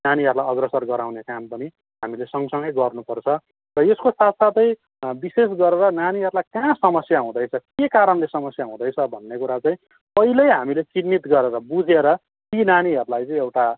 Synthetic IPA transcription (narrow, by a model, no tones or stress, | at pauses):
naniɦʌɾulajʌɡrʌsʌrɡʌɾawnekampʌni | ɦamilesʌŋʌsʌŋɡʌjɡʌrnupʌrt͡sʰʌ | rʌeskosat̪sat̪ʌj̃ | bises̬ɡʌɾeɾʌnaniɦʌɾulajkãsʌmʌsjaɦũd̪ʌjt͡sʰʌkekaɾʌnlesʌmʌsjaɦũd̪ʌjt͡sʰʌbʱʌnːekuɾat͡sãĩ | pʌɦilʌjɦamilet͡sinːit̪ɡʌɾeɾʌbud͡zʱeɾʌ | t̪inaniɦʌɾulajt͡sãĩewʈa